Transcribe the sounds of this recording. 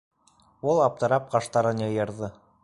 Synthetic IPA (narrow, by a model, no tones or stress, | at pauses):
ulˠɑp̚t̪ɤ̆ɾɑp̚qɑʃt̪ɑɾɤnjɤ̆jɤ̆ɾðɤ